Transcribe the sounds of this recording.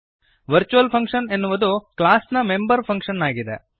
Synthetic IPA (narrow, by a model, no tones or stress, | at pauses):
ʋɐɾt͡ʃuʋɐlpʰɐŋkʂɐne̞nːuʋɐd̪uklaːsnɐmembɐɾpʰɐŋkʂɐnːaːɡid̪ḛ